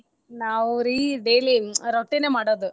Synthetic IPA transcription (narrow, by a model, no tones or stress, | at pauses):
naːʋɾiɖeːliɾoʈːinemaːɽoːd̪u